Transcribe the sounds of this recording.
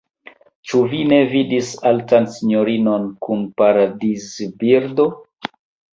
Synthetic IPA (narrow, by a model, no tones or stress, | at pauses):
t͡ʃuvine̞vidisaltansiɲo̞ɾino̞nkunpaɾadizbiɾdo̞